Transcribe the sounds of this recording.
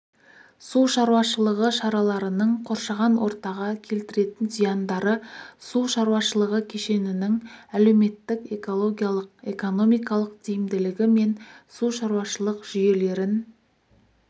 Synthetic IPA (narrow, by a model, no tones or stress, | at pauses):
suʃɑɾuwɑʃəlˠəʁəʃɑɾɑlˠɑɾənəɴqʰo̞ɾʃɑʁɑnwʔo̞̰ɾt̪ɑʁɑkʲʰe̞lt̪ɪɾe̞t̪ɪnzijɑnd̪ɑɾəsuʃɑɾuwɑʃəlˠəʁəkʲʰeʃe̞nɪnɪŋæle̞wme̞t̪ːɪke̞ko̞lˠo̞ɡʲijalˠəqe̞̰ko̞no̞mijkɑlˠəq̚d̪ejɪmd̪ɪlɪɡʲɪme̞nsuʃɑɾuwɑʃəlˠəqʒ̥ʏje̞le̞ɾɪn